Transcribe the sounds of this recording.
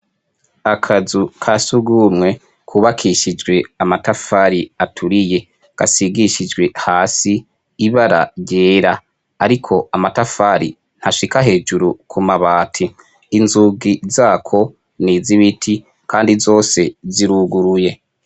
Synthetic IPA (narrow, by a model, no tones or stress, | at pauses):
akʰazukʰasuɡuːmŋe̞ | kʰuːβakʰiʃid͡ʒɡwe̞amatafaɾiatʰuɾije̞ | ɡ̥a̰siɡiʃid͡ʒɡwe̞haːsiː | βaɾa̰jɟe̞ːɾa | aɾikʰo̞amatafaːɾḭ | n̥haʃikaɦe̞ːd͡ʒuɾukʰumaβaːtʰiː | nzuɡizaːkʰo̞ | niːziβitʰi | kʰaːndizo̞ːse̞ziɾuɡuɾuje